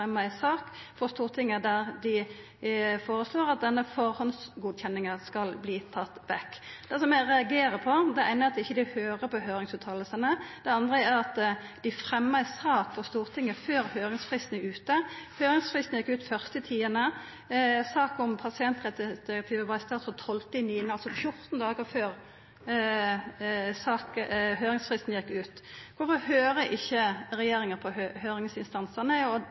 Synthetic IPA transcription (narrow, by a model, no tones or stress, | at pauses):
ɛmːəæɪsɑːkfɔʁst̪uːʁt̪ʰɪŋːəd̪æʁd̪ɪ | foːʁəsloːɾɑt̪̚d̪ɛnːəfɔʁhɔnsɡuːd̪çɛnːɪŋəskɑlbliːt̪ʰɑt̪ːʋɛkːd̪̥ɛsɔmɛɾɛɑɡeːɾəpʰɔd̪ɛæɪnəɑt̪ɪçːəd̪ɪhøːʁəpɔɦøːɾɪŋsʉːt̪ʰɑːləlsənəd̪̥ɛɑnd̪ʁəæɾɑt̪d̪̥ɪfɾɛmːəæsɑːkfɔʁst̪uːʁt̪ʰɪŋːəføːɾhøːʁɪŋsfʁɪst̪n̩æʉːt̪əhøːɾɪŋsfʁɪst̪n̩jɛkːʉːt̪fœʁst̪əɪt̪ʰiːənə | sɑːkɔmpʰɑsɪɛnt̪ʁɛt̪əd̪̥ɪɛk̚t̪ʰɪʋəʋɑɪst̪ɑːt̪fɔt̪ʰhɔlt̪əɪniːnəɑlsɔfjʊʁt̪nd̪ɑːɡəføːʁ | sɑːkɦøːɾɪŋsfʁɪst̪n̩jɛkːʉːt̪kʰʊfɔʁhøːɾəʔɪçːəʁɛjeːɾɪŋəpʰɔøhøːɾɪŋsɪnst̪ɑnsəʁnəɔ